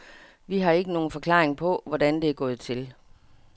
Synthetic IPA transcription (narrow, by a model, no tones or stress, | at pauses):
ʋiɦɑ̈e̝ɡ̥əno̝ːn̩fɒ̽kʰlɑ̰̈ːʁeŋpʰɒ̽ʋɒd̥ænd̥e̝æɐɡ̥ɔ̽ːð̩ˠt͡sʰe̝l